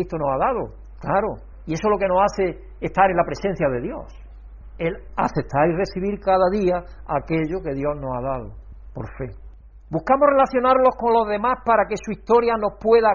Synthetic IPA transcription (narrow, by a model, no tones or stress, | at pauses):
it̪onosaðaðo | klaɾo | ie̞solo̞ke̞no̞saθe̞ː | ht̪aɾe̞nlapɾe̞sẽ̞n̟θjaðe̞ðjo̞̰s | el | a̰θe̞t̪aɾire̞θiβ̞iɾkaðaðiaake̞ʎoke̞ðjo̞zno̞saðaðo̰ | poɾfe̞ | buhkamore̞laθjo̞naɾlo̞hko̞nlo̞zðe̞mahpaɾake̞suiht̪o̞ɾjano̞hpwe̞ða